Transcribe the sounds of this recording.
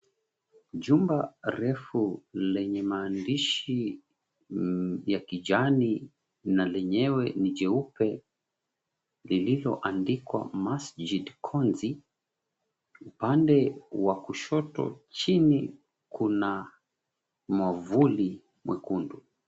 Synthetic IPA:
ʄumbaɾɛfulɛɲɛmaːndiʃi | jakid͡ʒani | nalɛɲɛwɛnid͡ʒɛupɛ | lililɔ̰ʔandikwa̰masd͡ʒidkʰɔnzi | upandɛwakuʃɔtɔ̰t͡ʃini | kuna | mavuli | mwɛ̰kundu

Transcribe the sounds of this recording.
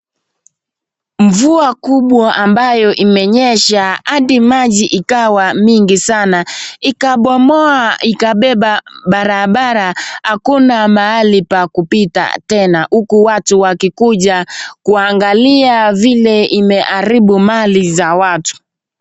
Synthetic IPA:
ɱvuakuɓwaʔambajɔʔimɛɲɛʃahaɗimaʄiʔikawamiŋɡisanaikaɓɔmɔaikaɓɛɓaɓaɾaɓaɾahakunamaalipakupita̰tɛnahukuwatuwakikuʄakuaŋɡaliavilɛimɛʔaɾiɓumalizawatu̥

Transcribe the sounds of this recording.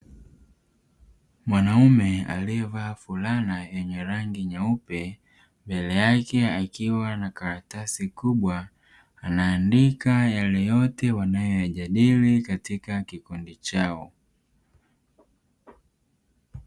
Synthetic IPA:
mwanaumɛa̰liɛvaːfulanajɛɲɛɾaŋɡiɲaupɛ | mbɛlɛjakɛakiwanakaɾatasikuɓwaː | naːndikajalɛjɔtɛwanajɔjaʄaɗilikatikakikundit͡ʃaɔ

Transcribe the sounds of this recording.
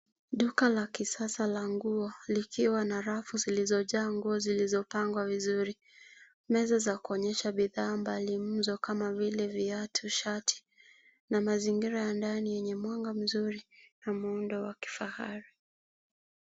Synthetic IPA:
ɗukalakisasalaŋɡuɔlikiwanaɾafuzilizɔʄaːŋɡuɔzilizɔpaŋɡwavizuɾi | mɛzɔzakuɔɲɛʃaɓiðaːmbalim̩zɔkamavilɛviatʰuʃatʰi̥ | namaziŋɡiɾajandanijɛɲɛmwaŋɡam̩zuɾinamuundɔwaki̥faha̰ɾi

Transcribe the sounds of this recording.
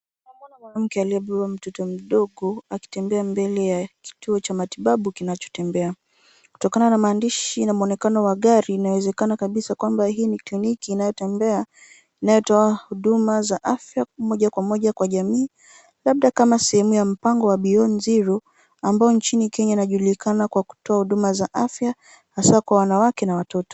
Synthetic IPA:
maanamwanam̩kɛaliɛɓɛam̩tɔtɔm̩ɗɔɠɔaki̥tɛmbɛambɛlɛjaki̥tuɔt͡ʃamatiɓaɓukinat͡ʃɔ̥tɛmbɛa | ku̥tɔkananamaːndiʃinamuɔnɛkanɔwaɠaɾinawɛzɛkanakaɓisakwambahiːniklinikiːnajɔtɛmbɛa | inajɔtɔahuɗumazaʔafjamɔʄakwamɔʄakwaʄamiː | laɓ̚ɗakamasɛhɛmujam̩paŋɡɔwaɓiɔnziɾɔ | ambaɔnt͡ʃinikɛɲainaʄuɗulikanakwaku̥tɔahuɗumazaʔafja | hasakwawanawakɛnawatɔtɔ̥

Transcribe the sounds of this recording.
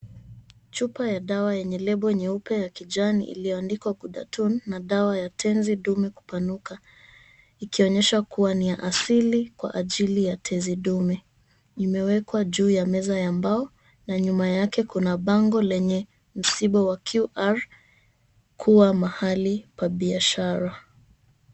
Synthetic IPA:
t͡ʃupajaɗawajɛɲɛlɛɓɔɛɲɛupɛjakiʄanḭʔḭlijɔandikwaɡuɗa̰tʰunːaɗawajatʰɛnziɗumɛku̥panuka | ikiɔɲɛʃakuwanijaʔasilikwa̰ʔaʄilijatʰɛziɗumɛ | imɛwɛkwaʄuːjamɛzajambaɔ | naɲumajakɛkunaɓaŋɡɔlɛɲɛ | m̩siɓawakʰjuʔaɾ | kʰuwamahalipwaɓiaʃaɾa

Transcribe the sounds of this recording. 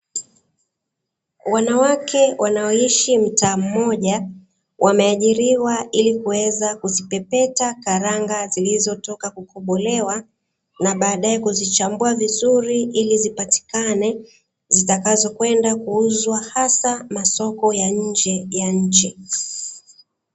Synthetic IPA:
wanawakʰɛwanaɔiʃim̩taːm̩mɔʄa | wʔamɛaʄiɾiwaʔilikuwɛzakuzipɛpɛtakaɾaŋɡazilizɔtɔkakukʰɔɓɔlɛwa | naɓaːɗaɛkuzit͡ʃambuavizuɾiʔilizipati̥kanɛ | zitakazɔkwɛndakuuzwahasamasɔkɔjaɲ̩d͡ʒɛjaɲ̩t͡ʃi

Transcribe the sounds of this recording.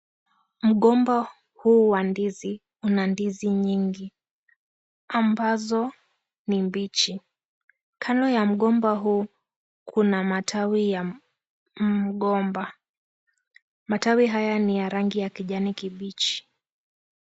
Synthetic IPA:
m̩ɠɔmba | huːwandizi | unandiziɲiŋɡi | ambazɔ | nimbit͡ʃi | kʰalɔjam̩ɠɔmbaɦuː | kʰunamatʰawija | ɠɔmba | matawiɦajanijaɾaŋɡijakiʄanikiɓit͡ʃi̥

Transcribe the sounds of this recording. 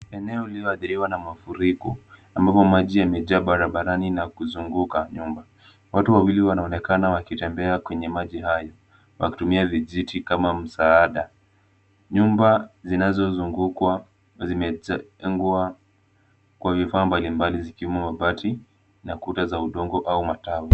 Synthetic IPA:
ɛnɛɔilijɔaθiɾiwanamafuɾikɔambapɔmaʄijamɛʄaɓaɾaɓaɾaninakuzuŋɡukaɲumba | watuwawiliwanaɔnɛkanawakitɛmbɛakwɛɲɛmaʄiɦajɔ | wa̰ki̥tumiaviʄitʰikamam̩saaɗa | ɲumbazinazɔzuŋɡukwa | zimɛŋɡuwa | kwavifaːmbalimbalizikiɛmumaɓatʰi | nakutazauɗɔŋɡɔʔaumatawi

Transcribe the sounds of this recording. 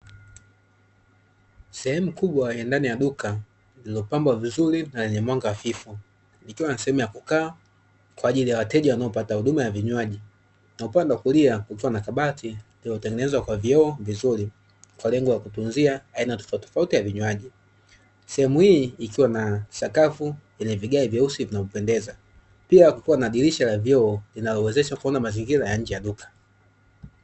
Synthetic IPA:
sɛhɛmukuɓwajandanijaɗuka | lilɔpambwavizuɾinalɛɲɛmwaŋɡaafifu | nikiwanasɛhɛmujakukaː | kwaːʄilijawatɛʄawanaɔpatahuɗumajaviɲwaʄi | naupandawakuliakwakiwanakaɓatililɔtɛŋɡɛnɛzwakwaviɔːvizuɾi | kwalɛŋɡɔlakutunziaːinatɔ̥fatɔ̥fautijaviɲwaʄi | sɛhɛmuhiːkiwanasakafujɛɲɛviɠaivjausivinavɔpɛndɛza | piakukiwanaːɗiliʃalavjɔɔlinalɔwɛzɛʃakuɔnamaziŋɡiɾajaɲ̩d͡ʒɛjaɗukʰḁ

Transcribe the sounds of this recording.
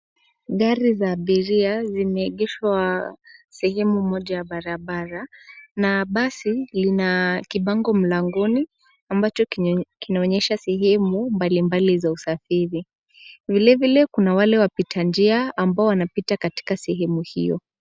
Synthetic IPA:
ɠaɾizaːɓiɾiazimɛːɠɛʃwa | sɛɦɛmumɔʄajaɓaɾaɓaɾanaɓasilinakiɓaŋɡɔm̩laŋɡɔni | ambat͡ʃɔkinaɔɲɛʃasɛɦɛmumbalimbalizausafiɾi | vilɛvilɛkunawalɛwapitʰand͡ʒiaambaɔwanapitakati̥kasɛɦɛmuhḭjɔ̰

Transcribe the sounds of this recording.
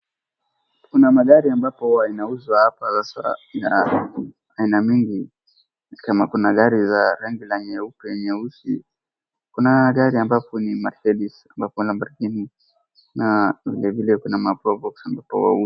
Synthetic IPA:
kunamaɠaɾiambapɔwainauzwahapasasa̰ja | ainamiŋɡi | nikamakunaɠaɾizaɾaŋɡilaɲɛupɛɲɛusḭ | kunaɠaɾiambapɔnimaɾkɛɗisambapɔlambaɾkini | navilɛvilɛkunamapɾɔvɔksambapɔ̰wa̰u

